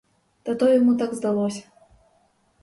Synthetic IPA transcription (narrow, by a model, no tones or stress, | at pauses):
d̪at̪ɔjamut̪aɡzd̪alˠɔsʲɐ̥